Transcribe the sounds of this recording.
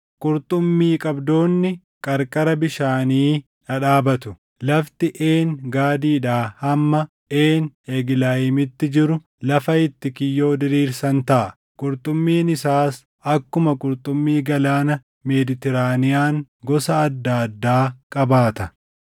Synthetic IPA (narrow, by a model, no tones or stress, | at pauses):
kʼʊɾt̪ʼʊmːiːkʼɐbd̪o̞ːnːɪ | kʼɐɾkʼɐɾɐbɪʃaːniː | ᶑɐᶑaːbɐt̪ʊ | lɐft̪ɪʔeːnɡaːd̪iːᶑaːhɐmːɐ | ʔeːneɡɪlaːjɪmɪt̪ːɪd͡ʒɪɾʊ | lɐfɐɪt̪ːɪkɪjːo̞ːd̪ɪɾiːɾsɐnt̪ɐʔɐ | kʼʊɾt̪ʼʊmːiːnɪsaːs | ɐkːʊmɐkʼʊɾt̪ʼʊmːiːɡɐlaːnɐ | meːd̪ɪt̪ɛɾaːnɪjaːŋ | ɡɔsɐɐd̪ːaɐd̪ːaːkʼɐbaːt̪ɐ